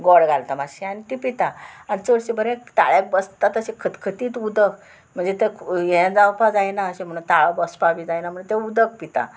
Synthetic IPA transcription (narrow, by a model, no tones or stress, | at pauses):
ɡɔɽɡʱalt̪amaɕianit̪ipit̪aanit͡səɽsebəɾẽt̪a̰ɭjek̚bəst̪at̪əɕekʰət̪kʰət̪iːt̪ud̪ək | m̤əɳd͡zet̪əkjɛ̃d͡zawpad͡zajnaəɕẽm̤əɽũnt̪aɭabəspabid͡zajnam̤əɳt̪eud̪ək̚pit̪a̰